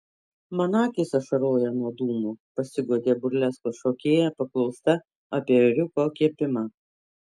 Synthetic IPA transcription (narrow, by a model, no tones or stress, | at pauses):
mɐnɑːkʲɪsɐʃɐɾoːjɛnuɔd̪uːmuːpɐsʲɪɡuɔd̪ʲeːbʊɾʲlʲɛskoʃoːkʲeːjɛpɐklˠɒʊst̪ɐ | ɐpʲiɛɾʲʊkoːkʲiɛpʲɪmɐ